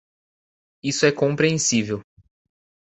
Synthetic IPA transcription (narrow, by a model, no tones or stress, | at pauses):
isʊɛkõmpɾiẽsivew